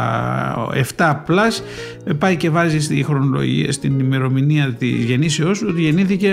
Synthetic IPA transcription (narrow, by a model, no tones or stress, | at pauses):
e̞̰ft̪ɐːplɐs | epɐjce̞vɐzist̪ixɾo̞no̞lo̰ʝḭɐ̰st̪inime̞ɾo̞miniɐt̪ḭzʝe̞nisiosot̪iʝe̞niθice̞